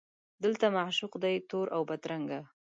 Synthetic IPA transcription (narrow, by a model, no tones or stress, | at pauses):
d̪əlt̪amaʕʃuqd̪ajt̪oɾʔawbat̪ɾaŋɡa